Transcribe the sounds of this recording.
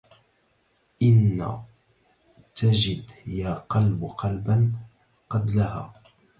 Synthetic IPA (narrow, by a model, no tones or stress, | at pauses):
ʔɪnːa̰ | t̪ad͡ʒɪd̪jaːqɑlbqɑlban | qɑd̪laɦa̰ː